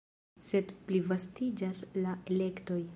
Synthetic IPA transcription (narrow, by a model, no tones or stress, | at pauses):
se̞dplivastid͡ʒaslae̞le̞kto̞j